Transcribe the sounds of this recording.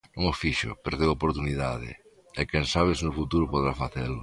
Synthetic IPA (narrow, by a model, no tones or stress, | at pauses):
nõŋofiʃʊ̰peɾoðeopoɾt̪uniðaðḛ | ekẽnsaβ̞esnofut̪uɾopoðɾafaθelʊ